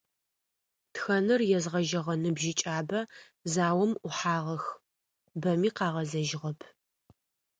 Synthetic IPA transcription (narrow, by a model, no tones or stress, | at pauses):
txɐnɨrjɛzʁɐʒɐʁɐnɨbʒɪt͡ʃʼaːbɐ | zaːwɐmʔʊħaːʁɐx | bɐmiːqɑːʁɐzɐʒɪʁɐpʰ